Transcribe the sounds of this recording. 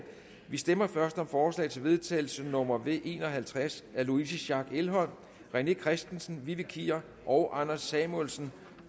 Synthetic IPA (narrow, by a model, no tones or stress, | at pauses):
ʋisd̥emɐfɶɐsd̥ɒ̽mfɒːslɛ̰ːɪt͡sʰe̝lʋe̝ð̞ˠt͡sʰɛ̰ːɪl̩sənɔ̽mɐʋe̝̰ːʔe̝ːnɒ̽ɦælt͡sʰʁasæɐluisəɕɑ̈ɡ̥elɦɒ̽l̰m | ʁene̝kʰʁɛsd̥n̩sn̩ʋiʋəkʰiɐ | ʔɒʊʔɑ̈nɐsːɛmolsn̩